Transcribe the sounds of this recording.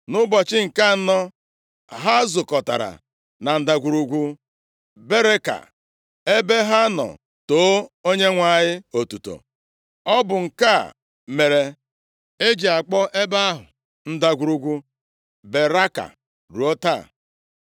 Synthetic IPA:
nʊ˦bɔ˨t͡ʃɪ˦ŋ̩˨ka˦˨˦nɔ˦ | ɦa˦zʊ˨kɔ˨ta̰˨ɾa̰˨ | na˨n̩˨da˨ɡʷu˨ɾu˨ɡʷu˦ | be˦ɾe˦ka̰˨ | e˦be˦ɦa˦nɔ̰˨ | to˨˦o˦ɲe˦ŋʷa˨ɲɪ˦o˨tu˨to̰˨ | ɔ˦bʊ˨ŋ̩˨ka˦˨ | me˨ɾe˨ | e˦d͡ʒi˨a˨k͡pɔ˦ʔe˦ba˦ɦʊ̰˨ | n̩˦da˨ɡʷu˨ɾu˦ɡʷu˦ | be˨ɾa˦ka̰˨ | ɾu˨o˦ta̰ː˦˨

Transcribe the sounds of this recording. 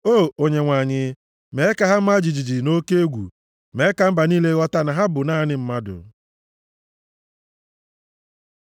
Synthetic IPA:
o˦˨o˨ɲe˨ŋʷa˨ɲɪ˨ | me˨˦ɪ˦ka˨ɦa˦m̩˦ma˦d͡ʒi˨d͡ʒi˨d͡ʒi˨no˦ke˦e˦ɡʷṵ˨ | me˨˦ka˨m̩˦ba˨niː˦le˦ɣɔ˦ta˦na˨ɦa˦bʊ˨naː˦nɪ˦m̩˦ma˦dʊ̰˨

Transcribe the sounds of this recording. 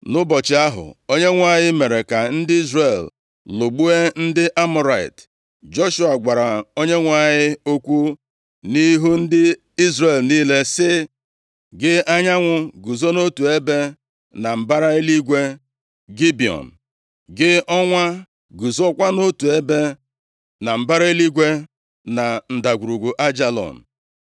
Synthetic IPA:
nʊ˦bɔ˨t͡ʃɪ˨a˦ɦʊ̰˨o˦ɲe˦ŋʷ˦a˨ɲɪ˦me˨ɾe˨ka˨n̩˦dɪ˦i˦zre˨l | lo˨ɡ͡bu˦e˦n̩˦dɪ˦ʔa˦mɔ˨ɾa˨ɪ̰˨t | d͡ʒo˦ʃu˦a˨ɡʷa˨ɾa˨o˦ɲe˦ŋʷ˦a˨ɲɪ˦o˦kʷu˦ | ni˦ɦu˦n̩˦dɪ˦ | i˦zre˨lniː˦le˦sɪ˦ | ɡɪ˦a˦ɲa˦ŋʷʊ˨ɡu˨zo˦no˦tu˨e˦be˦ | na˨m̩˨ba˦ɾa˦e˦li˦ɡʷe˦ | ɡi˦bi˨ɔ̰˨n̩˨ | ɡɪ˦ɔ˦ŋʷa˦ | ɡu˨zɔ˦kʷa˦no˦tu˨e˦be˦ | na˨m̩˨ba˦ɾa˦e˦li˦ɡʷe˦ | na˨n̩˨da˨ɡʷu˨ɾu˨ɡʷu˨ʔa˦d͡ʒa˦lɔ̰˨n̩˨

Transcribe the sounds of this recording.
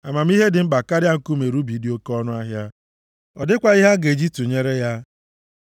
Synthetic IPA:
a˨ma˨m̩˦i˦ɦe˦dɪ˨m̩˦ɡ͡ba˨ka˦ɾɪ˦a˦ŋ̩˨ku˦me˨ɾu˦bi˨dɪ˨o˦kɔ˦nʊ˦a˦ɦja˦ | ɔ˨dɪ˦kʷa˨i˦ɦa˦ɡe˨d͡ʒi˦tu˨ɲe˦ɾe˦ja˦

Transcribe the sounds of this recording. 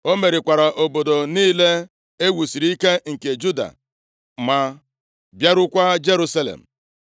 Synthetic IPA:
o˦me˨ɾi˨kʷa˨ɾa˨ʔo˨bo˨do˨niː˦le˦ | e˦wu˨si˨ɾi˦ke˦ŋ̩˨ke˨d͡ʒu˦da̰˨ | ma˨ | bja˦ɾʊ˦kʷa˦d͡ʒe˦ɾu˦sa˦lḛ˨m̩˨

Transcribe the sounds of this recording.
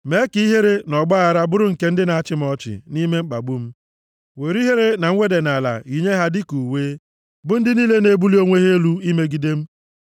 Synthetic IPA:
me˦ki˦i˦ɦe˦ɾe˦nɔ˨ɡ͡ba˦a˨ɾa˦bʊ˦ɾʊ˦ŋ̩˨ke˦n̩˦dɪ˦na˨a˦t͡ʃɪ˦m̩˦ɔ˦t͡ʃɪ̰˨ni˦me˦ŋ͡m̩˦k͡pa̰˨ɡ͡bu˦m̩˦ | we˨ɾi˦ɦe˦ɾe˦na˨ŋ̩˦ŋʷe˦de˨na˨la̰˨i˨ɲe˦ɦa˦dɪ˦ku˨weː˦ | bʊ˦n̩˦dɪ˦niː˦le˦ne˨bu˦li˦o˦ŋʷe˦ɦe˦lu˦i˦me˦ɡi˨de˦m̩˦

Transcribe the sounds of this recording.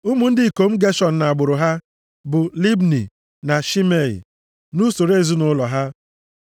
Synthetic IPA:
u˦mu˨n̩˦dɪ˦i˨ko˨m̩˦ɡe˦ʃɔ˨n̩˨na˨a˨ɡ͡bʊ˨ɾʊ˨ɦa˦ | bʊ˨li˦bnḭ˨ | na˨ʃi˦me˨lḭ˨ | nu˦so˨ɾe˦˨zu˦nʊ˦lɔ˨ɦa˦

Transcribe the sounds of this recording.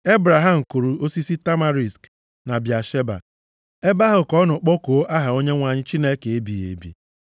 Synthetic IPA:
e˦bɾa˨ɦa˦m̩˨ku˨ɾu˨o˦si˦si˦ta˦ma˦ɾi˨sk | na˨bja˨ʃe˦ba̰˨ | e˦ba˦ɦʊ˨kɔ˦nʊ˨k͡pɔ˦ko˨o˦ʔa˦ɦa˨o˦ɲe˦ŋʷa˨ɲɪ˦t͡ʃi˦ne˦ke˨e˦bi˨ḛ˨bḭ˨

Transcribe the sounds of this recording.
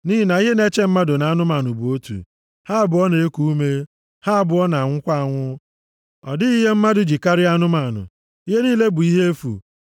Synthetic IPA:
niː˦ɦi˦na˨i˦ɦe˦ne˦t͡ʃe˦m̩˦ma˦dʊ˨na˨˦a˦nʊ˦ma˨nʊ˨bʊ˨o˦tṵ˨ | ha˦˨bʊ˨ɔ˦ne˨e˦ku˦u˦me˦ | ha˦a˨bʊ˨ɔ˦na˨ŋʷʊ˦kʷa˦a˨ŋʷʊ˦ | ɔ̰˨dɪ˦i˦ɦe˦m̩˦ma˦dʊ˨d͡ʒi˨ka˦ɾɪ˦a˦nʊ˦ma˨nʊ̰˨ | i˦ɦe˦niː˦le˦bʊ˨i˦ɦe˦e˦fṵ˨

